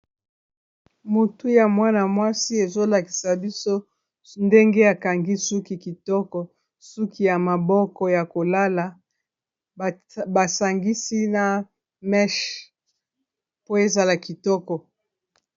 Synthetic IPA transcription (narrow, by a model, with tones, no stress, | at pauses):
mu˨tu˦ja˨mwa˦na˨mwa˦si˦e˨zo˦la˨ki̥˨sa˨bi˦so˦ | nde˦ŋɡe˦a˨ka˨ŋɡi˦su˦ki˨ki˨tɔ˦kɔ˨ | su˦ki˦ja˨ma˨bɔ˦kɔ˨ja˨ko˨la˦la˨ | ba˨sa˨ŋɡi˦si˦na˨ | mɛ˦ʃ | po˦e˦za˦la˨ki˨tɔ˦kɔ˨